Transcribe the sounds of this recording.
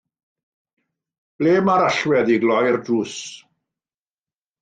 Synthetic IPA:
b̥leːmaɾaɬwɛðiɡlɔjrduːs

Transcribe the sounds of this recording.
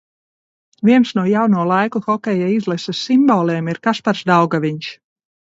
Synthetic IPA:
viɛnsnuɔjawnuɔlˠajkuxɔkʲɛjaizlˠɛsasimbɔːlˠeːmiɾkaspaɾsd̪awɡaʋiɲʃ

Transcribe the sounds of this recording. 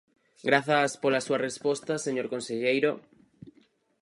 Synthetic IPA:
ɡɾaθaspolasuarespost̪aseɲoɾkonseʎejɾo

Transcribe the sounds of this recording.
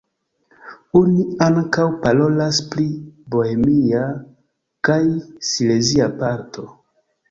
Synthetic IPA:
oniaŋkawpalo̞laspliboemia | kajsileziapaɾtʰo̞

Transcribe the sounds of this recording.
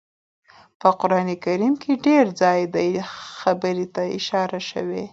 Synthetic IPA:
pəqʊɾɑnekaɾimkʰeɖeɾd͡zɑjd̪ajxabəɾet̪aɪʃɑɾaʃə̰we

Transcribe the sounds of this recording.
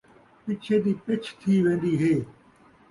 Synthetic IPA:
pɪt͡ʃʰeːd̪iːpɪt͡ʃʰt̪ʰiːʋẽːnd̪iːɦeː

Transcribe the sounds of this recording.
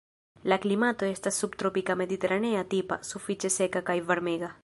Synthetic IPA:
laklimat̪oest̪asup̚t̪ɾopikameðit̪eɾaneat̪ipa̰sufit͡ʃesekakajβeɾmeɣa

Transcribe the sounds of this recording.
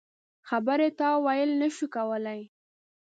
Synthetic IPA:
xabəɾet̪ɑwajəlnəʃukawəlaj

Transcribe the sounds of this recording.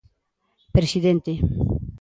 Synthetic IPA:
pɾesiðent̪e

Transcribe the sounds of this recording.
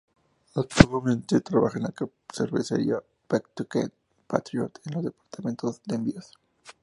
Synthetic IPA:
ak̚t̪amẽnt̪et̪ɾaβaxaenlaka | seɾβesḛɾja | b̥akt̪uket̪̚ | pat̪ɾjot̪enlozðe̞paɾt̪amẽ̞nt̪ozd̪eembios

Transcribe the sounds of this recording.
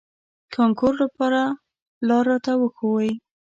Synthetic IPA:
kʰɑŋkoɾlapɑɾa | lɑɾːɑt̪awəxowəj

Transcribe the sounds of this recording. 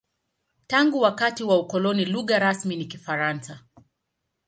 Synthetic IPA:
taŋɡuwakatiwaukɔlɔniluɣaɾasminikifaɾansa

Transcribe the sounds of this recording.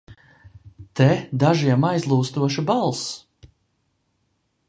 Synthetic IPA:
t̪ɛd̪aʒiɛmajzlˠuːst̪uɔʃubalˠs

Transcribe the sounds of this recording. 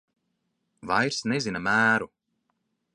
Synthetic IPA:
vajɾsnezinɐmæːɾu

